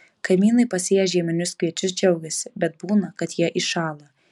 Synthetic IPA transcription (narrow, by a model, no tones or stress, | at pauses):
kɐɪmʲiːnɐɪpɐsʲeːjɛʒʲiɛmʲɪnʲʊskʋʲiɛt͡ʃʲʊsd͡ʒʲɛʊɡʲɛsʲɪbʲɛt̪̚buːnɐkɐt̪jiɛʔiʃɑːlˠɐ